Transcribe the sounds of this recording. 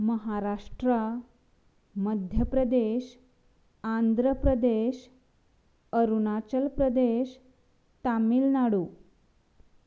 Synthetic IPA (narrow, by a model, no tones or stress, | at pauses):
məɦaɾaʂʈɾə | məd̪ʱjəpɾəd̪eɕ | and̪ʱɾəpɾəd̪eɕ | əɾunat͡ɕəlpɾəd̪eɕ | t̪amiːlnaɽuː